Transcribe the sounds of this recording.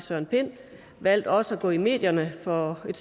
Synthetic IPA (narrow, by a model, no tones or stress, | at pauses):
sœɐ̰npʰe̝n̰ | ʋæl̰d̥ɒ̽səæɡ̥ɔ̰̽ːime̝̰ːd̥jɐnəfɒ̽e̝d̥s